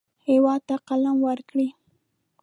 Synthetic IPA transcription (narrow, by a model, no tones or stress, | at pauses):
hewɑd̪̚t̪aqalamwəɾkɽi